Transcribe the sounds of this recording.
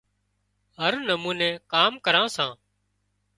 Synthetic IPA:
ɦəɾnəmuːnẽːkaːmkəɾãːsãː

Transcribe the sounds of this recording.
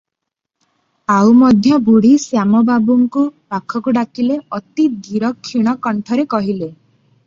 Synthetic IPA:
awmɔd̪ʱjɔbuɽ̤isjamɔbabuŋkupakʰɔkuɖakileɔt̪id̪iɾɔkʰːiɽ̃ɔkɔɳʈʰɔɾekɔɦile

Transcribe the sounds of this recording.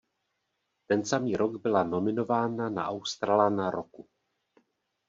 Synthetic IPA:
t̪ɛnsamiːɾoɡbɪlano̞mɪno̞vaːnana̰ʔawst̪ɾalanaɾʔo̰ku

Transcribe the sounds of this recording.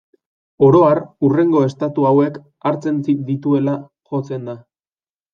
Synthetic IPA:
o̞ɾo̞arure̞ŋɡo̞e̞st̪at̪uawe̞k | aɾt͡se̞nt͡sid̪it̪ue̞la | xo̞t͡se̞nd̪a

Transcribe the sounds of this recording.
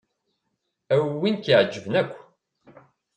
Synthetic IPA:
æwinkiʕd͡ʒːəvənækʷː

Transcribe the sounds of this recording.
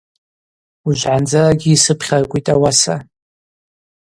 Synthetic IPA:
uʒʷʕand͡zaɡʲiːsɨpʰχʲarkʷʼitʼawasa

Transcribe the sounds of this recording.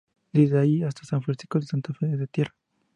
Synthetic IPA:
d̪izaiast̪asaɱfensi̥kosant̪afeðeðet̪jera

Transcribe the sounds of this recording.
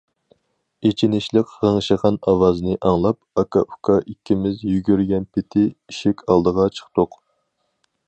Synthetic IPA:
et͡ʃʰinɪʃlˠəqʁəŋʃəʁɑnɑwɑzɨnɨʔɑŋlˠɑp̚ɑkʰɑ̰ʔukʰɑʔikʲːɪmɪzjyɡʲyɾɡʲɛnpʰɪt̪ʰɪiʃɪkʲʰɑlˠd̪əʁɑt͡ʃʰə̥χt̪oq

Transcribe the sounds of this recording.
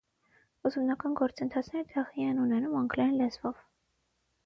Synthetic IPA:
uzmnɑkɑnɡɔɾt͡sənt̪ʰɑt͡sʰnɛɾd̪ɛʁiɛnunɛnumɑŋɡlɑjnlɛzvɔv

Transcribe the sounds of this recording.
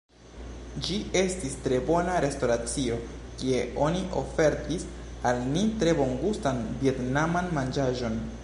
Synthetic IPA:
d͡ʒie̞stistɾe̞bo̞naɾe̞sto̞ɾat͡sio̞ | kie̞ʔo̞niʔo̞fe̞ɾtis | alnitɾe̞bo̞ŋɡustanvie̞tnamanmand͡ʒaʒo̞n

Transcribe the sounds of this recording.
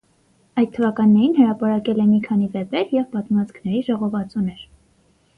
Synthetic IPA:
ɑjt̪̚t̪ʰːəvɑkɑnːɛɾinhəɾɑpɑɾɑkɛlɛmikʰɑnivɛp̪ɛɾjɛvpɑt̪mɑt͡skʰnɛɾiʒɔʁɔvɑt͡sunɛɾ

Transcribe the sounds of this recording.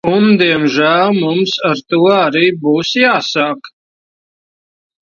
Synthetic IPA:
und̪iɛmʒælmumsaɾt̪uɔaɾiːbuːsjaːsak

